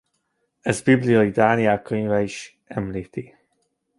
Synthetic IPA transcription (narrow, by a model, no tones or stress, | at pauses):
ɛzbiblijɒjid̪aːniɛlkøɲvɛiʃ | ɛmliːt̪i